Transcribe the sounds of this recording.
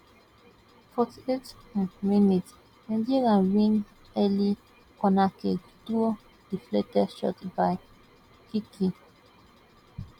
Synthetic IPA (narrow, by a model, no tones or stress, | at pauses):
fɔtietminit | ɛ̃ndiɡãnwĩn | ɛli | kɔnake | tuo | difletɛʃɔ̰tbaj | kikʰi